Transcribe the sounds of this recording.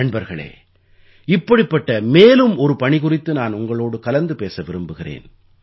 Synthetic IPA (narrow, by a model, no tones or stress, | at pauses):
ɐɳbɐɾɣɐɭḛː | ɪpːɐɽɪpːɐʈːɐmeːlɯmɔɾɯpɐɳɪɣʊrɪt̪ːɯnaːnʊŋɡɐɭoːɽɯkɐlɐnd̪ɯpeːsɐʋɪɾɯmbɯɣɪrḛːn